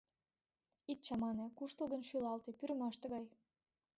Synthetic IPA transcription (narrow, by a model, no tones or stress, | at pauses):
it̪̚t͡ɕɑmɑnĕkuʃt̪ə̆lˠɣə̆nʃylɑlt̪ĕpyɾə̆mɑʃt̪ĕɣɑj